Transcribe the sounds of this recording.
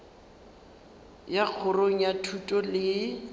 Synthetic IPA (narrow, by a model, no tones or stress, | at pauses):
jak͡xʰʊroŋ̩jatʰutʼɔlɪ